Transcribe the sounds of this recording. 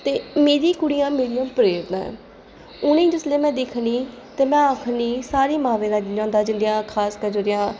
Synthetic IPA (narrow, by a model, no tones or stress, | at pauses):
t̪eːmeːɾiːkʊɽiːjãːmeːɾijãːpəɾeːɾd̪ã̰ː | ʊnẽːd͡ʒɪsleːmɛ̃ːd̪ɪkʰniː | t̪eːmɛ̃ːaːkʰniːsaːɾiːmãːʋẽːnãːãːnd̪aːd͡ʒɪnd̪ɪjãːkʰaːskəd͡ʒoːɾɪjãː